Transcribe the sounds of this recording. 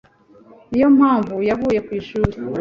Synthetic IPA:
ijo̞mhaːɱvujaβuːje̞kwiːʃuːɾe

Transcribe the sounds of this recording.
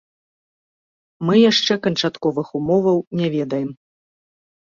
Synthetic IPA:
mɨjaʂt͡ʂɛkɐnt͡ʂat̪kɔvɨxumɔvɐwnʲavʲɛd̪ɐjɛm

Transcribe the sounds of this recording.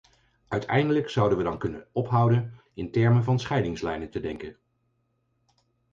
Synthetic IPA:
ʔœɥtʰɛjndələksʌwdənʋədɑnkɵnə̰nɔpɦʌwdən | ɪntɛɹmənvɑnsχɛjdɪŋslɛjnəntədɛŋkən

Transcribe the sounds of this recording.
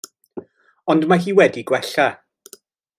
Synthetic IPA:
ɔndmaɦiːwɛdiɡwɛɬa

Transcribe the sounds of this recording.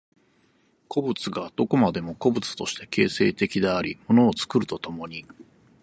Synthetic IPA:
kʰo̞bɯ̟t͡sɨɡad̪̥o̞ko̞mad̪e̞mo̞ko̞bɯ̟t͡sɨ̥t̪o̞ɕi̥t̪e̞̥ke̞ːse̞ːt̪e̞kʲid̪eaɾʲimo̞no̞ːt͡sɨ̥kɯ̟ɾɯ̟t̪o̞t̪o̞mo̞ɲ̟i

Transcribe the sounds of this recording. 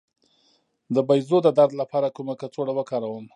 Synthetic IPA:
d̪əbajzod̪əd̪aɾd̪lapɑɾakumakat͡soɽawəkɑɾawəm

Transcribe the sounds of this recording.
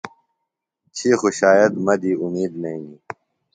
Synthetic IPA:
t͡ɕʰixuɕaːjɐt̪mɐd̪iːumiːd̪nɐĩi

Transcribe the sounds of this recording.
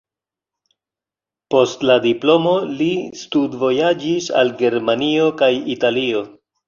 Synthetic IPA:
po̞stladiplo̞mo̞listudvo̞jad͡ʒisa̰lɡe̞ɾmanio̞kajitalio̞

